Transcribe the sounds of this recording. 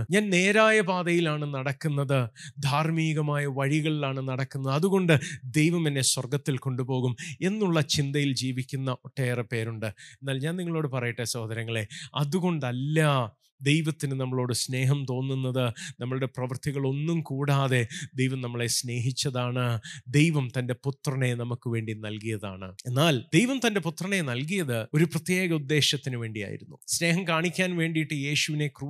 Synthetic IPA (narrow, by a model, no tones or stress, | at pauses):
ɲaːnne̞ːɾaːjɐbaːðɐjilaːɳɨnɐɽɐkːunːɐðɨd̪ʱaːrmiːɣɐmaːjɐʋɐɻiɣɐɭilaːɳɨnɐɽɐkːunːɐðɐðuɣo̞ɳɖɨd̪e̞jʋɐmɐnːe̞swɐrɡɐt̪ːilko̞ɳɖupo̞ːɣume̞nːuɭːɐt͡ɕind̪ɐjild͡ʑiːʋikʲːunːɐʔo̞ʈːeːrepːe̞ːɾuɳɖɨe̞nːaːlɲaːniŋːɐɭo̞ːɽɨpɐrɐjiʈːesɐːd̪ɐɾɐŋːɐɭe̞ɐðuɣo̞ɳɖɐlːa | d̪e̞jʋɐt̪ːinɨnɐmːɐɭo̞ːɽɨsne̞ːɦɐmt̪o̞ːnːunːɐðɨnɐmːɐɭuɽe̞prɐʋɐrt̪ʰiɣɐɭo̞nːumkuːɽaːðe̞d̪e̞jʋɐmnɐmːɐɭe̞sne̞ːɦit͡ɕːɐðaːɳɨd̪ejʋɐmt̪ɐnde̞put̪ːrɐɳe̞nɐmukːɨʋe̞ːɳɖinɐlkijɐða̰ːɳɨ̰e̞nːaːld̪̥e̞jʋɐmt̪ɐnde̞put̪rɐɳe̞nɐlk̬ijɐðɨo̞ɾuprɐt̪je̞ːɣɐud̪ːe̞ːɕɐt̪ːinɨʋe̞ːɳɖija̰ːjḭɾunːusne̞ːɦɐmkaːɳikʲːaːnʋe̞ːɳɖijiʈːɨje̞ːɕuʋine̞kru